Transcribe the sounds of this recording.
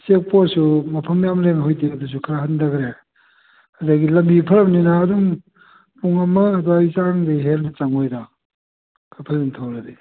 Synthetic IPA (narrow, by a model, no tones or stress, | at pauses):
sek̚posumɐpʰɐmjamleŋhojdiɐdus̬ukʰɐɾaɦandɐɡɾe | hadaɡilɐmbipʰɐɾɐmninaːduŋ | puŋɐmɐːduajsaŋdeɦelnɐt͡ʃaŋojda | kʰapʰazantʰawɾɐdi